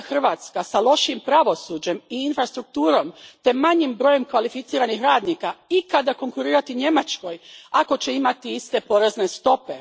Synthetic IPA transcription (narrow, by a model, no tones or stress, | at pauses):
xr̩ʋaːt̪skasalˠo̞ʃimpɾaʋo̞suːd͡ʑe̞miːnfɾast̪ɾuk̚t̪uːɾo̞mt̪e̞maɲimbɾo̞ːje̞mkʋalifit̪siːɾanixɾaːd̪niːkaikad̪ako̞ŋkuɾiːɾat̪iɲe̞mat͡ʃko̞jako̞t͡ɕe̞imat̪iist̪e̞po̞ɾe̞zne̞st̪o̞pe̞